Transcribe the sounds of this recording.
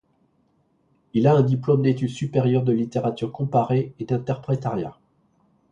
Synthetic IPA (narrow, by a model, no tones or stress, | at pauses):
ilaɛ̃d̪iplɔmd̪et̪yd̪sypeʁjœʁd̪əlit̪eʁat̪yʁkɔ̃paʁeed̪ɛ̃t̪ɛʁpχet̪aʁja̰